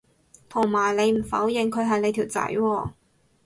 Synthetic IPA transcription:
t̪ʰo˨˩ŋmaː˨˩jle˨˧jm̩˨˩fɐ˨˥wjɪ˨ŋkʰɵ˨˧ɥɦɐ˨jle˨˧jt̪ʰiː˨˩wt͡sɐ̰˨˥jwɔː˧

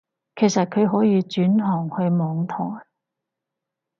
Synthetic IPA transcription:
kʰe˨˩jsɐ˨t̚kʰɵ˨˧ɥɦɔː˨˥jiː˧t͡ʃyː˨˥nɦɔː˨˩ŋhɵ˧ɥmɔː˨˧ŋt̪ʰɔː˨˩j

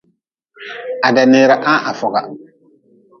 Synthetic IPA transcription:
a˨da˨neː˨˦ɾa˨ʔa˦ʔa˨fɔ˨ɡa̰˨

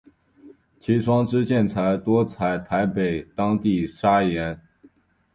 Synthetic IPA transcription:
t͡ɕʰi˧˥ʂwɑ˥ŋʈ͡ʂɻ̩˥t͡ɕjɛ˥˩nt͡sʰa˧˥ɪt̪wɔ˥t͡sʰa˧˥ɪt̪ʰa˧˥ɪpe˨˩ɪt̪ɑ˥ŋt̪i˥˩ʂa˥jɛ˧˥n

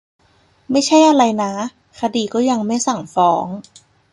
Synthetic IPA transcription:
ma˥˩jt͡ɕʰa˥˩jʔa˧ɾa˧jna˦˥ | kʰa˧diː˧˩kɔː˥˩ja˧ŋma˥˩jsa˨˩ŋfɔː˦˥ŋ

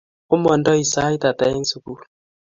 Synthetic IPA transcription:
u˦mɔ˨ndɔ˦i˨sa˦i˦ta˨ta˨˦e˦n̩˦su˨ku˦˨

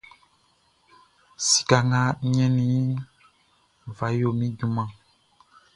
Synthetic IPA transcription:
si̥˨ka˨ŋã˦ɲɛ̃˦nĩ˦ | va˨˦jo˨mĩ˦du˦mã˦

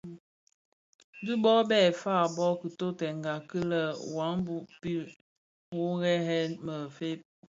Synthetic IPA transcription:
di˦bɔ˦bɛː˦˨faː˦˨bɔ˦kə˨to˦tɛ˨ŋɡa˨kə˦lə˦wa˨˦ŋbu˦pi˦ | wu˦ɣɛ˦ɦɛ˦nmə˨fe˦p̚

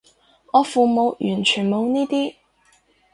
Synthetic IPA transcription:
ɔː˨˧fuː˨mo˨˧wjyː˨˩nt͡ʃʰyː˨˩nmo˨˧wniː˥t̪iː˥

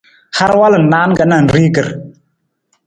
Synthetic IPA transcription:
ha˦ɾwa˦lə˨n̩˨na˨˦n˦kə˨˦na˦˨n̩˨ɾi˦kə˨ɾ

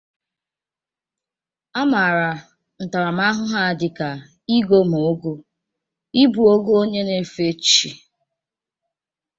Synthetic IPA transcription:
a˦ma˨ɾa˨ | n̩˨ta˨ɾa˨m̩˦a˦ɦʊ˦ɦa˦˨dɪ˨ka˨ | i˦ɡo˦m˨o˨˦ɡo˦ | i˦bu˨o˦ɡo˦o˦ɲe˦ne˨fe˦t͡ʃi˨

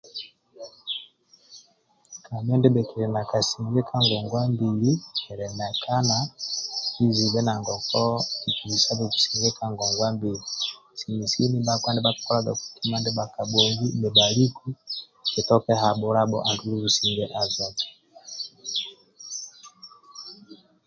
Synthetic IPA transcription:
ka˨m˦ɛ˦ndɛ˦bɛ˨kɛ˨ɾɛ˨na˨ka˨si˨ŋɡɛ˦kʰa˦ŋɡɔ˨ŋɡwa˦mbi˨li˦kɛ˨ɾɛ˨na˨ka˦na˨ | i˦zi˨βɛ˦na˨ŋɡɔ˨kɔ˦i˨ki˨i˨sa˦bɛ˨ku̥˨si˨ŋɡɛ˦kʰa˦ŋɡɔ˨ŋɡwa˦mbi˨li˨si˨mi˨si˦ni˦ba˦kwa˦ndɛ˦ba˦kḁ˨kɔ˦a˦ɡa˨ku̥˨ki˦ma˦ndɛ˦ba˨ka˨ɓɔ˨ŋɡi˦nɛ˨ɓa˨li˦ki˦ | kɛ˨tɔ˦kɛ˦ɦa˨ɓɔ˦ɾa˦ɓɔ̰˨ʔa˨ndu˦lu˦zu˨si˨ŋɡɛ˦ʔa˨za˦ti̥˨

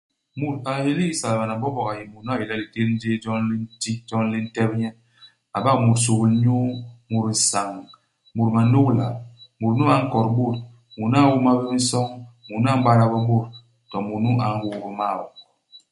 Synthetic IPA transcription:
mu˨ɾa˨je˨li˦sa˨lba˨na˨bɔ˦bɔ˨ka˨ji˨mu˨nu˦a˦˨ji˨lɛ˦li˨te˦ɾn̩˦de˦d͡ʒɔ˦nli˦n˦ti˦d͡ʒɔ˦n˦li˦n̩˦tɛ˦bɲɛ˦ | a˨ba˦kmu˨ɾsu˨ɣi˨˦ɲo˦mu˨ɾ̩˨sa˨ŋ | mu˨ɾma˨no˦kla˨mu˨ɾnu˦a˨˦ŋ̩˦kɔ˨ɾɓo˦˨t | mu˨n˦a˦wu˦ma˦bi˦i˦n˦sɔ˦ŋmu˨n˦a˦m˦ɡ͡ba˦ɾa˨bɔ˦bo˦˨ɾ | tɔ˨mu˨ɾnu˦ʔa˨ŋ̩˦wu˦bi˦ma˦˨wɔ˨

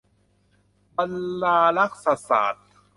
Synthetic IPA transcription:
ba˧nlaː˧la˦˥k̚sa˧sa̰ː˨˩t̪̚

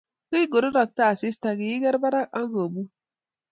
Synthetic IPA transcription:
ki˦i˦ɡo˨ɾo˦ɾa˨k̚ta˦˨si˦sta˨ɡi˨i˦ɡɛ˦ɾba˦ɾa˦a˦ŋɡo˨bu˦

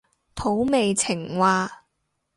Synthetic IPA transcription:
t̪ʰo˨˥wme˨jt͡sʰɪ˨˩ŋwaː˧

